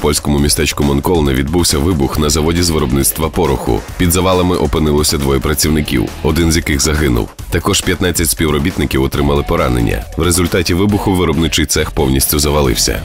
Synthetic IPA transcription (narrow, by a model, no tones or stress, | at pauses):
pɔlʲsʲkɔmʊmʲist̪ɛt͡ʃkʊmɔnkɔlˠnɛʋʲid̪buwsʲɐʋɪbʊxnɐzɐʋɔdʲizʋɪɾɔbnɪt̪st̪ʋɐpɔɾʊxʊ̰pʲid̪zɐʋɑlˠɐmɪʔɔpɪnɪlˠɔsʲɐd̪ʋɔjɛpɾɐt͡sʲiwnɪkʲḭwɔd̪ɪnzʲjɐkɪɣzɐɦɪnʊ̰wt̪ɐkɔʒ̥pʲjɐt̪nat͡sʲːɐtʲspʲiwɾɔbʲit̪nɪkʲiwɔt̪ɾɪmɐlˠɪpɔɾɑnḛnʲːɐ̰wɾezʊlʲt̪ɑtʲiʋɪbʊxʊʋɪɾɔbnɪt͡ʃɪjt̪sɛxpɔwnʲisʲtʲʊzɐʋɐlˠɪ̰wsʲɐ̰